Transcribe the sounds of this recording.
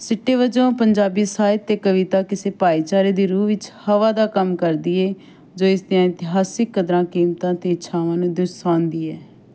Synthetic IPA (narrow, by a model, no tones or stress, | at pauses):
sɪʈːeːʋəd͡ʒõːpəɲd͡ʒaːbiːsaːɪt̪eːkəʋɪt̪aːkɪseːpaːiːt͡ʃaːɾeːd̪iːɾuːʋɪt͡ʃhəʋaːd̪aːkəmkəɾd̪iːɛː | d͡ʒoːɪsd̪ɪjãːɪnt̪ɪɦaːsɪkːəd̪ɾãːkiːmt̪ãːt̪eːʃʰaːʋãːnũːd̪ʊsãːnd̪iːɛː